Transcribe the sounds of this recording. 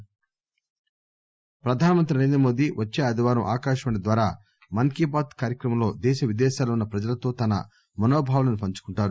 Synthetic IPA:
pɾɐd̪ʱaːnɐmɐnt̪ɾinɐɾeːnd̪ɾɐmo̞ːd̪iʋɐt͡ʃːeːɐd̪ʱiʋaːɾɐmʔaːkaːʃɐʋɐɳɐd̪ʋaːɾaː | mɐŋkibaːt̪kaːɾjɐkɾɐmɐmlo̞ːd̪ɛːʃɐʋid̪ɛːʃaːlɐunːɐpɾɐd͡ʒɐlɐt̪o̞ːt̪ɐnɐ̰ | mɐnoːbʱaːʋɐlɐnupɐɲt͡ʃu̥kuɳʈaːɾu

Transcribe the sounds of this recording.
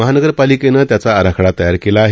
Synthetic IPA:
əɦanəɡəɾpalikenət̪jat͡saːɾakʰɭat̪əjaɾkelaɦ

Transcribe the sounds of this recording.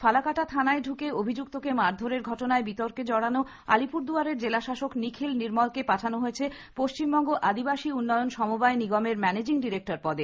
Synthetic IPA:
falakaʈat̪ʰanaeɖʱukeobʱid͡ʑuk̚t̪okemaɾd̪ʱoɾeɾɡʱɔʈonaebit̪ɔɾked͡ʑɔɽano | a̰lipuɾd̪uaɾeɾd͡ʑelaʃaʃoknikʰilniɾmɔlkepaʈʰanoɦoet͡ɕʰe | poʃt͡ɕimbɔŋɡoʔad̪ibaʃiunːɔjonʃɔmobaeniɡɔmeɾmɛned͡ʑiŋɖiɾek̚ʈaɾpɔd̪e

